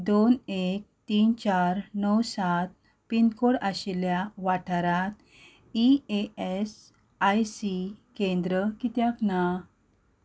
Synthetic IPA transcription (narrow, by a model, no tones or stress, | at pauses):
d̪onek̚t̪iːnt͡ɕaɾnəwsat̪̚ | pinkoɽaɕiljaʋaʈʰaɾat̪̚ | iees | ajsikẽnd̪ɾəkit̪jakna